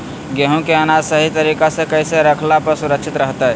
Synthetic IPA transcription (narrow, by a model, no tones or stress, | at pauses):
ɡeɦũkeənad͡ʒsəɦit̪əɾikasẽkəjseɾəkʰlapəɾsuɾəkt͡ʃʰit̪ɾəɦt̪ə